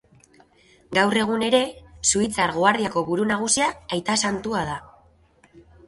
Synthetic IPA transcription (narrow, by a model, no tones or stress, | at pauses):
ɡawre̞ɣ̞une̞ɾe̞suit͡saɾɣ̞oaɾðiako̞βuɾunaɣ̞usiaːjt̪asant̪uað̞a